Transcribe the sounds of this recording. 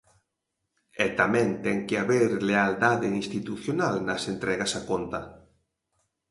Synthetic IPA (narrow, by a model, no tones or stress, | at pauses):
ɛt̪amɛ̃ŋt̪ɛŋkɪaβeɾleald̪aðeinst̪it̪uθjonalnɐsent̪ɾɛɣasakont̪ɐ